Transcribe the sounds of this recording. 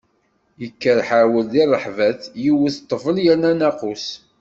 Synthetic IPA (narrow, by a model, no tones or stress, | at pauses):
jəkːəɾħawəld̪irˤːəħvæθjiwəθt̪ˤːəvəljænænæqus